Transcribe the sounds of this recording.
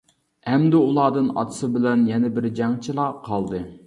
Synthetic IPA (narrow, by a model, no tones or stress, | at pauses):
ɛmd̪ɪulˠɑːd̪ɨnɑ̰t̪ʰɨ̥sɨbɪlɛnjɛnɛbɪɾd͡ʒɑŋt͡ʃʰilˠɑqʰɑlˠd̪ɨ